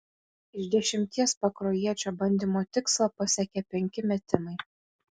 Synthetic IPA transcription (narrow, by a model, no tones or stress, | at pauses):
ɪʒd̪ʲɛʃʲɪmʲt̪ʲiɛspɐkɾoːjiɛt͡ʃʲoːbɐnʲd̪ʲiːmoːt̪ʲɪkslˠɐpɐsʲɛkʲɛpʲɛŋʲkʲɪmʲɛt̪ʲɪmɐɪ